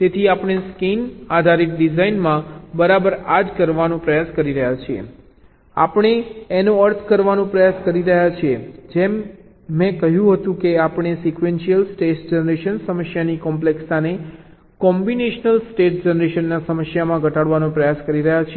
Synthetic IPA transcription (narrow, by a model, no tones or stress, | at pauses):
t̪et̪ʰiapɽ̃eskinad̪ʱaɾit̪̚ɖizainmãbəɾabəɾad͡ʒkəɾʋanũpɾəjaskəɾiɾəɦjat͡ʃʰiḛ | a̰pəɽ̃eːnõəɾt̪ʰkəɾʋanõpɾəjaskəɾiɾəɦjat͡ʃʰied͡ʒemː | ɛ̃kəɦjũɦət̪ũkeapɳ̃esikʋenʃijəlsʈesd͡ʒenəɾeʃənsəməsjanikɔmpleksane | kɔmbineʃnəlsʈeʈ̚d͡ʒenəɾeʃənːasəməsjamãɡʱəʈaɽʋanõpɾəjaskəɾiɾəɦjat͡ʃʰie